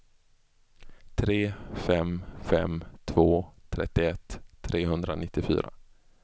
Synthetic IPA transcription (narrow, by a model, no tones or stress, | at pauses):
t̪ʰɾeːfɛmfɛmt̪ʰvoːt̪ʰɾɛ̰t̪ːɪɛt̪ʰːɾeːɦɵnd̪ɾanɪt̪ːɪfy̰ːɾa̰